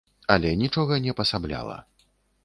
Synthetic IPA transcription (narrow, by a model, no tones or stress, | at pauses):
ɐlʲɛnʲit͡ʂɔɣɐnʲɛpɐsablʲa̰lˠɐ̰